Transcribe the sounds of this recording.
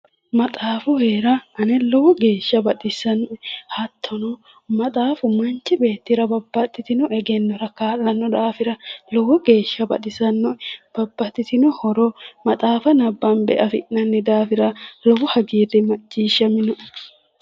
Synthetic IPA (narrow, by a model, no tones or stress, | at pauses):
mɐt̪ʼaːfʊheːɾɐʔɐnɛlɔwɔɡe̞ːʃːɐbɐt̪ʼɪsɐnɔʔɛhɐt̪ʰːɔnɔ | mɐt̪ʼaːfʊmɐnt͡ʃːɪbe̞ːt̪ːɪɾɐbɐbːɐt̪ːɪt̪ɪnʊʔɛɡɛnːɔɾɐkaːlːɐnːɔd̪aːfɪɾɐlɔwɔɡe̞ːʃːɐbɐ̰t̪ʼɪsɐnːʊʔɛb̥ɐbːɐt̪ːɪt̪ɪnʊhɔɾɔmɐt̪ʼaːfɐnɐbːɐnbɛ̰ʔɐfɪ̰ʔnɐnːɪd̪aːfɪɾɐlɔwʊhɐɡiːd̪ɛmɐt͡ʃʼːiːʃːɐmɪnʊʔ